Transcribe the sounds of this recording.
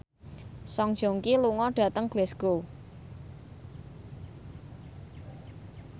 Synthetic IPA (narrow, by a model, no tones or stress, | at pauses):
sɔŋd̥ʒ̥o̤ŋkiluŋɔɖ̥ä̤t̪əŋɡ̥lɛsɡ̥o